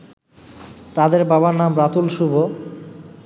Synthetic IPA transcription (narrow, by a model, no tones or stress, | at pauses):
t̪ad̪eɾbaβanamɾat̪ulʃubʱo